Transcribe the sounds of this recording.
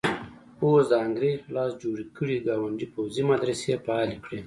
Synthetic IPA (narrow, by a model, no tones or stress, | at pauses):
osd̪əaŋɡɾezlɑsd͡ʒoɽikʰəɽiɡɑwaɳɖipowzimad̪ɾasepaɑlikɽe